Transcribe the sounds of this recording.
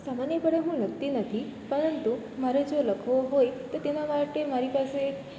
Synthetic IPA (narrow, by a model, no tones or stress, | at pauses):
samanjəpəɽeɦũləɡ̚t̪inət̪ʰi | pəɽənt̪u | maɾed͡ʒoləkʰʋoɦojt̪ot̪enamaʈemaɾipase